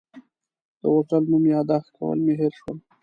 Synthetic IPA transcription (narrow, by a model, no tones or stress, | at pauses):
d̪̥əwoʈəlmumjɑd̪ɑxka̰wə̰lmeɦeɾʃwəl